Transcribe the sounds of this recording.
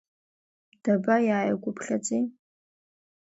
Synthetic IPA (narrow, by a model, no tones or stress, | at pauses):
d̥abajaːjaɡʷʼʊpʰɬɐt͡ʃʼi